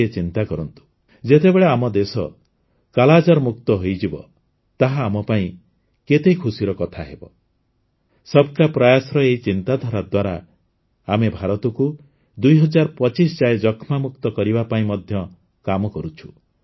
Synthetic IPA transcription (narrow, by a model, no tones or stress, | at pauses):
et͡ʃint̪akɔɾɔnt̪u̥ | d͡ʒet̪ebeɭeamɔd̪esɔ | kalad͡ʒɔɾmukt̪ɔɦojd͡ʒibɔ̰ | t̪aɦaːmɔpaĩ | ket̪ekʰusiɾɔkɔt̪ʰaɦebɔ | sɔbkapɾajasɾɔeit͡ʃint̪ad̪ʱɔɾad̪waɾaː | mebʱaɾɔt̪ɔku | d̪ujɦɔd͡ʒaɾpɔt͡ʃisd͡ʒajed͡ʒɔkʰmamukt̪ɔkɔɾibapaĩmɔd̪ʱjɔ | kamɔkɔɾut͡ʃʰu̥